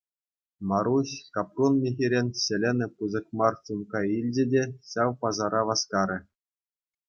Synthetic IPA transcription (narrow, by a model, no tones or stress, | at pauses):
mɑɾuɕʲkɑprunmʲexʲiɾʲenʲsɘ̆lʲenʲɘ̆puzɤ̆kmɑrsunkɑilʲd͡ʑɘ̆dʲeɕɑwpɑzɑɾɑʋɑskɑɾʲɘ̆